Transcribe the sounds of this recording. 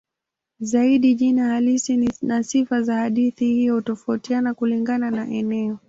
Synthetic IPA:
zaiɗiʄinahalisinasifazahaɗiθihijɔutɔfautianakuliŋɡananaʔɛnɛɔ

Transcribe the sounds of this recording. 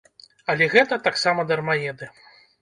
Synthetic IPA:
ɐlʲɛɣɛt̪ɐt̪aksamɐd̪ɐrmajɛd̪ɨ

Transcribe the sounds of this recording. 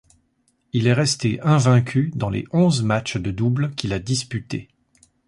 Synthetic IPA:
ilɛʁɛst̪eʔɛ̃vɛ̃kʲʰyd̪ɑ̃lḛʔɔ̃zmat͡ʃd̪əd̪ublkʲilad̪ispyt̪ḛ

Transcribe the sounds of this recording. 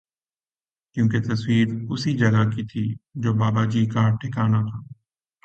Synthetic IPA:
kjũːket̪ɐswiːɾʊsid͡ʒɐɡakit̪ʰid͡ʒoːbaːbad͡ʒiːkaːɾʈʰɪkaːnat̪ʰaː

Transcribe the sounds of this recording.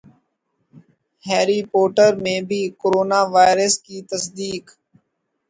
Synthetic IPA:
hɛːɾiːpoːʈəɾmẽːbʱiːkoːɾoːnaːʋaːɪɾəskiːt̪əsd̪iːk

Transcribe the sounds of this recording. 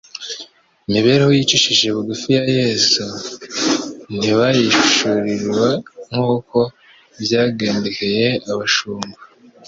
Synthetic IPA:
imiβe̞ɾehojit͡ʃiʃiʒe̞βuɡufijajeːsu | n̥iβajiʃʃuɾiɾwaŋ̥uːko̞ | vjaːɡeːndikejeaβaʃuːmba

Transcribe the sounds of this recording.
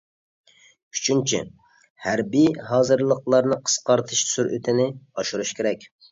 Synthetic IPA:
y̥t͡ʃʰynt͡ʃʰḭ | hæɾbijhɑːzɨɾlˠəqlˠɑɾnɨqʰə̥sqɑɾt̪ʰɨʃsyɾʔy̰t̪ʰɪnɪɑʃuɾuʃkʲeɾɛkʲ

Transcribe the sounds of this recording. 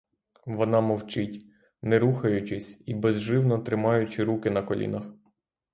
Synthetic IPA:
ʋɔnɑmɔwt͡ʃɪtʲ | nɛɾuxɐjʊt͡ʃɪsʲibɛzʒɪwnɔt̪ɾɪmɑjʊt͡ʃɪɾukɪnɐkɔlʲḭnɐx

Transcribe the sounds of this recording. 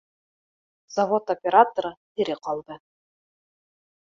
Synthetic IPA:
zɐvo̞t̪opʲeɾat̪oɾət̪ɘ̆ɾɘqɑlˠd̪ɤ

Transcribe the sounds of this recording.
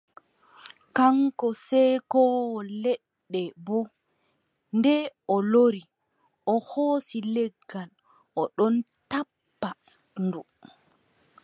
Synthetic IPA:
kaŋkɔsɛkɔwɔlɛɗːɛbɔ | ndɛɔloɾi | ʔɔhoːsilɛɡːal | ɔɗɔntapːa | ndu

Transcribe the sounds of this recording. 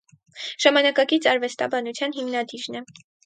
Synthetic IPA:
ʒ̥ɑmɑnɑkɑkit͡sɑɾvɛst̪ɑ̰bɑnut͡sʰjɑnɦimnɑd̪iɾnɛ

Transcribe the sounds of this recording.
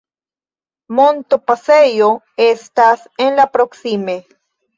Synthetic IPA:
mont̪opasejo | est̪asenlapɾoksime

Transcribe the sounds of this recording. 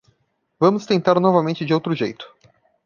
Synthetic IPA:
vɐ̃mʊst̪ẽnt̪aɾnɔvɐmẽnt͡ʃɪd͡ʒɪowt̪ɾʊʒejt̪ʊ̥

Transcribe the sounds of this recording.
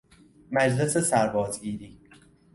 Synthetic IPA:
mæd͡ʒle̞sesæɾbɒːzɡiːɾiː

